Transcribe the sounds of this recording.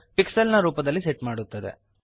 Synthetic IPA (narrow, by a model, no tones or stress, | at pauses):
piksɐlnɐɾuːpɐd̪ɐlːiseʈmaːɽut̪ːɐd̪ḛ